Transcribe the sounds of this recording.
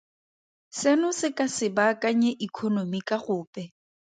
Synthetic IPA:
sɛnʊsɪkʼasɪbakaɲeʔikʰɔnomikʼaχʊːpʼɛ

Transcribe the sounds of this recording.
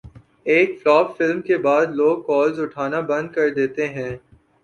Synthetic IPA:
eːkflɔːpfɪlmkebaːd̪loːɡ̚kɔːlzʊʈʰaːnabɐ̃nd̪̚kɐɾd̪eːt̪eɦɛ̃ː

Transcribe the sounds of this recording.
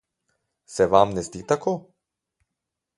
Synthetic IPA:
sɛʋamnɛzd̪it̪akʰoː

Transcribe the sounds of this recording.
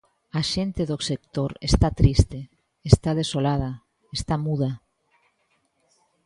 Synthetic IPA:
aʃent̪eðosek̚t̪oɾḛst̪at̪ɾist̪eː | st̪aðesolað̞ɐ | est̪amuða

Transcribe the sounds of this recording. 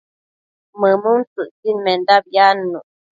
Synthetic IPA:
məmunt͡sɨʔt͡sinmend̪abjanːu

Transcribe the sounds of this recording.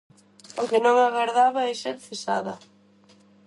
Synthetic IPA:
ʊkɪnõŋaɣaɾðaβɐɛʃɛɾθesaðɐ

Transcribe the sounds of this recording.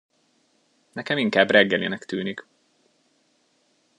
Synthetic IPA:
nɛkɛmiŋkaːbrɛɡːɛlḭnɛkt̪yːnik

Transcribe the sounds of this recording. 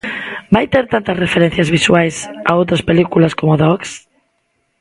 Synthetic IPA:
bajt̪eɾt̪ant̪ɐsrefeɾɛn̟θjazβiswajsa̰owt̪ɾaspelikulaskomoðɔks

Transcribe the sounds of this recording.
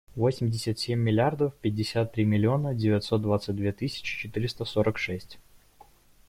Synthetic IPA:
vosʲɪmʲdʲɪsʲət̪sʲemʲːɪlʲɪard̪əfpʲɪd̚ʲːɪsʲat̪ːɾʲimʲɪlʲɪo̞nədʲɪvʲɪt̪so̞t̪̚d̪vat̪sɨt̚ʲd̪vʲet̪ɨsʲɪ̥t͡ɕɪ̥t͡ɕɪt̪ɨɾʲɪst̪əso̞ɾəkʂɛsʲtʲ

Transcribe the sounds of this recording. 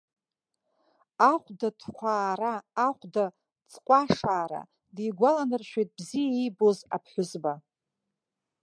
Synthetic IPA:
aχʷdatʰqʷʰaːɾaːχʷda | t͡sʼqʷʼaʂaːɾa̰ | dijɡʷalanɨrʃᶣejt̚bzijaijboza̰pʰħʷᶣʊzba

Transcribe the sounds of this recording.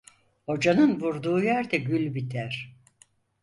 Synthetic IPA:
ho̞d͡ʒanɯnvuɾd̪uːjæɾd̪ɛɟylʲbit̪ʰæɾ̥

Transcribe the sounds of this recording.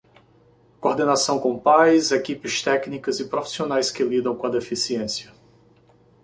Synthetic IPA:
koɾd̪enasɐ̃w̃kõpajzekipɪst̪ɛknikɐzɪpɾofi̥sionajskɪlid̪ɐ̃w̃kõɐd̪efisiẽsjɐ

